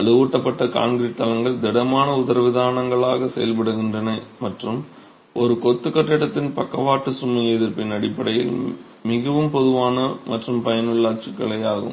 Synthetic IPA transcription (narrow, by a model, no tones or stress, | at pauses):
ɐɭɯʋuːʈːɐpːɐʈːɐka̰ːnɡɪɾiʈ̪ːɐlɐŋɡɐɭd̪ɛɽɐmaːnɐʊðɐɾɐʋɪðaːnɐŋɡɐɭaːɣɐsɛ̰jɐlpɐɽɯɣɪndrɐnɐmɐʈrɯm | ʔɔɾɯkɔt̪ːɯkːɐʈːɪɽɐt̪ːɪnpɐkːɐʋaːʈːɯsʊmːɐɛðɪɾpɪnɐɽɪpːɐɽɐjɪ̰l | mɪɣɐʋɯmpɔðɯʋaːnɐmɐʈrɯmpɐjɐnɯɭːaːt͡ʃɪkːɐɭɐɪaːɣɯ̰m